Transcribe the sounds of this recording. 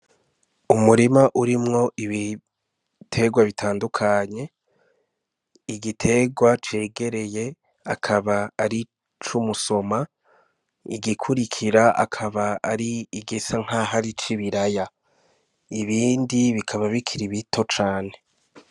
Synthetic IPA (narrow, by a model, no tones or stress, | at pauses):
umuɾimaʔuɾimŋo̞ʔiβi | tʰe̞ɡwaβitʰaːndukʰaɲe̞ | iɡitʰe̞ɡwat͡ʃe̞ːɡe̞ɾe̞je̞ | akʰaβaːɾi | t͡ʃumuso̞ma | iɡikʰuɾikʰiɾaʔa̰kʰaβaːɾiːɡisaŋ̥haɦaɾit͡ʃiβiɾaja | iβiːndiβikʰaβaβikʰiɾiβitʰo̞t͡ʃaːne̞